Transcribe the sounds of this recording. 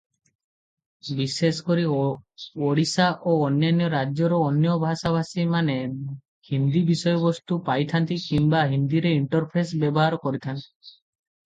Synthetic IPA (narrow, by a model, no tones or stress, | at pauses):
bisesɔkɔɾi | oɽisaʔoːnjanjɔɾad͡ʒjɔɾɔːnjɔbʱasabasimane | hind̪ibisɔjɔbɔst̪upajt̪ʰant̪ikimbaɦind̪iɾeiɳʈɔɾpʰesbjɔbɔɦaɾɔkɔɾit̪ʰant̪i̥